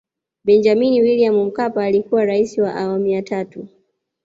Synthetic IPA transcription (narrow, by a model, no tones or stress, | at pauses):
bɛnd͡ʒaminiwiliamum̩kapaːlikuwaɾaisiwaʔawamijatatu